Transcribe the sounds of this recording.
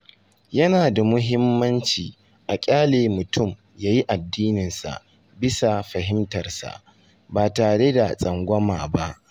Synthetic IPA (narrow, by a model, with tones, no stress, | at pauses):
jɐ˦naː˨da˨mʊ˦ɦɪ˦mːɐ˦nt͡ʃiː˨ | ʔa˨kʲʼaː˦leː˨mʊ˨tʊ˦˨m | jaː˦ji˦ʔa˨dːiː˦nɪ˨nsa̰˨ʔ | bɪ˦sa˨ɸɐ˨ɦɪ˦mtɐ˨rsa̰˨ʔ | baː˨taː˨ɽe˦da˨sʼɐ˨ŋɡʷɔ˦maː˨ba˦ʔ